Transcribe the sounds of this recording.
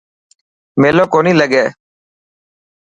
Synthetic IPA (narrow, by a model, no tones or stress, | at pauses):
meːlõːkoːniːləɡeː